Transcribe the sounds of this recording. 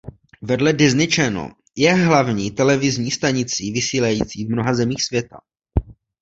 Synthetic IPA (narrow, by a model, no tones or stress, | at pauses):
vɛdlɛdɪznɪt͡ʃɛno̰ | jɛɦlavɲiːt̪ɛlɛvɪzɲiːst̪aɲɪt͡siːvɪsiːlajiːt͡siːvmno̞ɦazɛmiːxsvjɛt̪a̰